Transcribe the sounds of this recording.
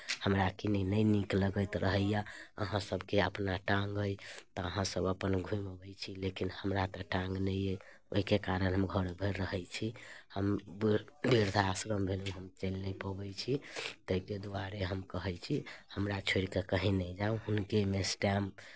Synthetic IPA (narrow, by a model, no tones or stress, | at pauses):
həmɾakinenəjnikləɡəjt̪ɾəɦəjaə̰ɦãsəbʱkeəpnaʈãŋɡojt̪ɔəɦãsəbəpənɡʱũiməbɛjt͡ʃʰilekinhəmɾat̪əʈãŋɡnəje | o̰ɦikekaɾənɦəmɡʱəɾbʱeɾːəɦəjt͡ʃʰihəmbbiɾd̪ʱaːsɾəmbʱelũɦəmt͡ʃəlːəjpəbɛjt͡ʃʰit̪əked̪uaɾeɦəmkəɦəjt͡ʃʰihəmɾat͡ʃʰoɾikekəɦinəjd͡ʒaũɦunkemesʈam